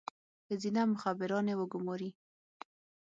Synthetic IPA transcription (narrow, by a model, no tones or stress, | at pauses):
hɪzinamʊxabɪɾɑnewəɡʊmɑɾi